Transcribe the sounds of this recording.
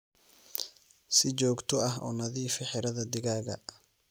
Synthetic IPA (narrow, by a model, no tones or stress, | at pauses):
sɪt͡ʃɔːɡt̪ʰɔɐɦɔ̰ːnɐðiːfɪħɪɾɐðɐd̪ɪɣaːɣɐ̰